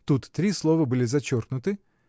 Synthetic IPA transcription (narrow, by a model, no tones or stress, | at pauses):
t̪ut̪ːɾʲislˠovəbɨlʲɪzɐt͡ɕorknʊt̪ɨ